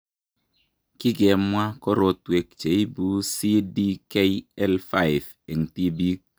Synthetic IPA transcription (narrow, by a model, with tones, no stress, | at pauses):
ki˦ɡe˨mwa˦ko˦ɾo˨twe˨k̚t͡ʃe˨i˦bu˦si˦di˦ke˦i˦ɛ˦lfa˦jf | e˨ŋ̩˨ti˦bi˦k̚